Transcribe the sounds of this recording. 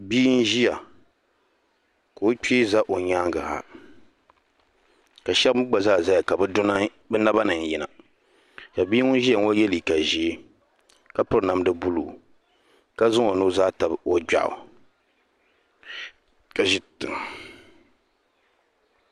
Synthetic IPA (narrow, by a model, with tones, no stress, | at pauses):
biː˦n˦ʒi˦ja˨ | ka˨o˦k͡pe˦za˦ʔo˨ɲaː˦ŋɡa˨ha̰˨ | ka˨ʃɛ˦m˦ɡ͡ba˨zaː˦˨za˦ja˨ka˨bɛ˦dʊ˦na˦ | bɛ˦na˦ba˦nɨ˨ŋ˨jɛ˨na˨ | ka˨biː˦ŋʊ˦n˦ʒi˦a˨ŋo˦jɛ˦li˨ka˨ʒi˦ | ka˦pʊ˦ɾna˨m˦dɨ˦bu˦lṵː˨ | ka˦zʊ˦ŋo˨nuː˦za˦ta˨bo˦ɡ͡ba̰˨ʔʊ̰˨ | ka˨ʒi˦tɨ˨ŋ